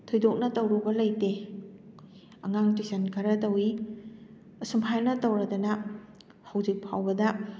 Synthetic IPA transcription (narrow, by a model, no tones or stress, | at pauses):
tʰojdok̚nɐtɐwɾubɐlɐjte | ɐŋaŋtisɐnkʰɐɾɐtɐwi | ɐsumpʰajnɐtɐwɾɐdɐnɐ | hawd͡ʒik̚pʰawbɐdɐ